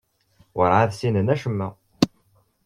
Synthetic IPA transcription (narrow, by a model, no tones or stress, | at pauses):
wəɾˤʕaðsinənæʃəmːæ